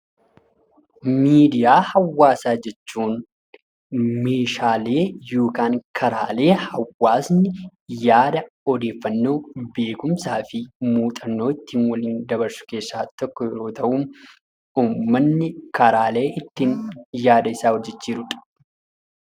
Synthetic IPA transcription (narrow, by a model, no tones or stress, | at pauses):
miːd̪ɪjaːhɐwːaːsaːd͡ʒɛt͡ʃːuːn | meːʃaːle̞ːjo̞ːkaːŋkʰɐɾaːle̞ːhɐwːaːsnɪjaːd̪ɐ | ɔd̪e̞ːfːɐnːo̞ːbe̞ːkʊmsaːfɪmuːt̪ʼɐnːo̞ːɪt̪ːiːnwɐliːnd̪ɐβɐɾsʊ̥ke̞ːsːaːt̪ɔkːɔjɛɾoːt̪ɐʔuːm | uːmːɐnːɪkɐɾaːle̞ːʔɪt̪ːiːnjaːd̪ɐɪsaːhɔd͡ʒːɛt͡ʃːiːɾʊᶑ̪ɐ̥